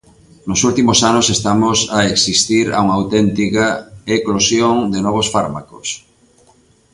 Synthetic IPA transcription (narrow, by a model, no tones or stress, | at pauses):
nʊsult̪imosanosest̪amosaeksist̪iɾa̰uŋawt̪ɛnt̪ikaeklosjoŋd̪enɔβ̞osfaɾma̰kos